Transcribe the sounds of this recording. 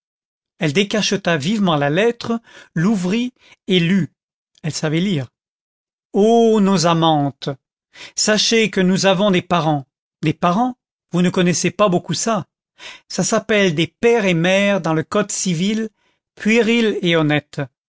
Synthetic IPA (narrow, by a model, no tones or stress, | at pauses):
ɛld̪ekaʃət̪avivmɑ̃lalɛt̪χəluvʁi | ely | ɛlsavɛliːʁ | onozamɑ̃t̪ | saʃekənuzavɔ̃d̪epaʁɑ̃ | d̪epaʁɑ̃ | vunəkɔnɛsepabokusa | sasapɛld̪epɛʁemɛʁd̪ɑ̃ləkɔd̪sivil | pʰɥiʁileɔnɛt̪